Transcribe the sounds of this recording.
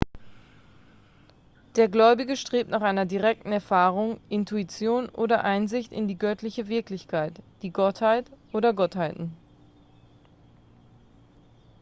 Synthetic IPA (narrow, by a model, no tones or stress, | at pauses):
d̥eːɐɡlɔʏbɪɡəʃtʁ̥eːp̚tnaːχʔaɪnɐdiʁɛk̚tn̩ɛɐfaːʁ̞ʊŋʔɪntʰuit͡sjoːnʔoːdɐʔaɪnzɪçtɪ̰ndiːɡœtlɪçəvɪɐklɪçkʰaɪtd̥iːɡɔthaɪtʔoːɾɐɡɔthaɪtn̩